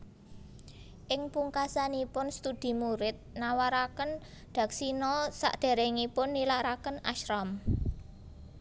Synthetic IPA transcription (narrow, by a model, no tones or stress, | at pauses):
ʔɪŋpuŋkasanipʊnst̪ud̪̥i̤muɾɪt̪̚nawaɾakən | d̪̥ä̤ksinɔsa̰ʔd̪̥e̤ɾeŋipʊnːilaɾakəna̰ʃɾam